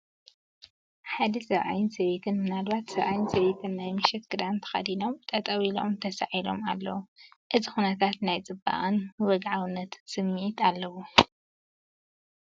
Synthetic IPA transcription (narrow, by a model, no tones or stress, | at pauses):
ħad̪ɐsɐβʔa̰jɪnsɐβet̪ʰɨnmɨnad̪bat̪sɐβʔajɪnsɐβet̪ʰɨnːajmɨʃɛt̪ɡɨd̪ant̪ʰɐ̥xɐ̰d̪ino̞mt̪ʼɐt̪ʼɐwilo̞̰mt̪ʰɐsaʕilo̞̰malːɐ̰wuʔɨzixunɐt̪ʰat̪najt͡sʼɨbːa̰ʔɨnwɐɡʕawɨnːɐt̪sɨmːiʕit̪ʰalːɐwu